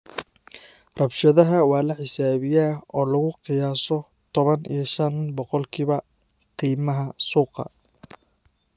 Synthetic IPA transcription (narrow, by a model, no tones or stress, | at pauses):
rɐbʃɐðɐɦɐwɑːlɐħɪsaːβɪjaɔːlɐɣʊqɪjaːsɔ | t̪ʰɔβɐnḭjɐʃɐnbɔqɔlkʰiːβɐ | t̪ʰiːmɐɦɐsuːqɑ̰